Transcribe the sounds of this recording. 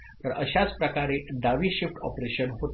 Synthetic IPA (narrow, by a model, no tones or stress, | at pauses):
t̪əɾəɕat͡spɾəkaɾed̪aʋiːɕifʈɔ̰pɾeɕənɦot̪